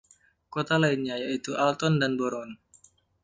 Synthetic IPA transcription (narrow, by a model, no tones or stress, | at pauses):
kot̪alainɲajait̪uʔalt̪ɔndanboɾɔn